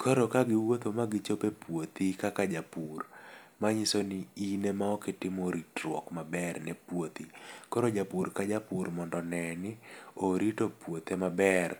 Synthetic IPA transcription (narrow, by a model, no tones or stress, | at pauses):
kʰɔɾokaɡɪwot̪omaɡɪt͡ʃopepwot̪ikakad͡ʒapurmaɲisonɪinemaɔkɪtɪmoɾitɾwɔ̰kmabɛrnɛpwot̪ikɔɾod͡ʒapurkad͡ʒapurmɔndɔnɛnɪoɾitopwot̪emabɛr